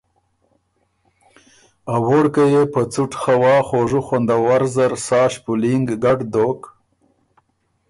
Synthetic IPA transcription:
awoɽkajepət͡suʈxawɑːxoʐuxond̪awaɾzaɾsɑːʃpʊliŋɡɡaɖd̪ok

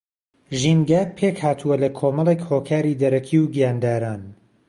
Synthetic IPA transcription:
ʒinɡaːpʰe̞khaːt̪ʰuwɐlɐkʰoːmɐlˠekhoːkʰaːɾid̪ɐɾɐkʰiwɡijaːnd̪aːɾaːn

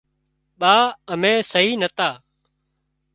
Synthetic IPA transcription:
ɓaːəmẽːsəɦiːnət̪aː

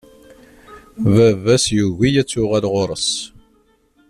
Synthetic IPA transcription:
vævæsjuʝijæt͡sːʊʁælʁoɾˤəs

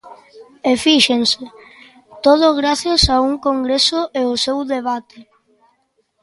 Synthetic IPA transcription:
efiʃense | t̪oð̞ʊɣɾaθjasauŋkoŋɡɾesʊʔeosewðeβ̞at̪e

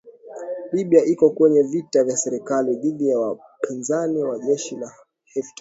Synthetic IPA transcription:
liɓiaʔikɔkwɛɲɛvitavjasɛɾɛkaliɗiɗijawa | pʰinzaniwaʄɛʃila | hɛfta

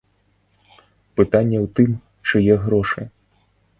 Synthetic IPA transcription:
pɨt̪anʲːɛwt̪ɨm | t͡ʂɨjɛɣɾɔʂɨ

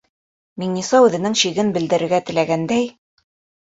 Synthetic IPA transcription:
miŋnisɑʉðɘ̆nɘŋɕiɣɘnbɘ̆ld̪ɘ̆ɾɘ̆ɾɡæt̪ɘ̆læɡænd̪æj

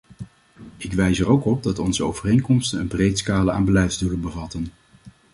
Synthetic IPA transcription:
ɪkʋɛjzərowkɔb̚dɑtɔnzəo̰wvərejnkɔmstənə̰nbrejtskaːləa̰ːnbəlɛjdzduləbəvɑtən

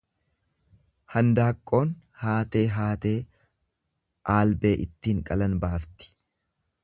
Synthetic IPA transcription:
hɐnd̪aːkʼːo̞ːnhaːt̪e̞ːɦaːt̪e̞ː | ʔaːlbe̞ːʔɪt̪ːiːŋkʼɐlɐnbaːft̪ɪ̥

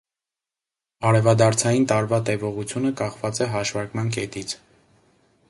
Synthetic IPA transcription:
ɑɾɛvɑd̪ɑɾt͡sʰɑjint̪ɑɾvɑt̪ɛvɔʁut͡sʰjunəkɑχvɑt͡sɛɦɑʃvɑɾkmɑnkɛt̪it͡sʰ

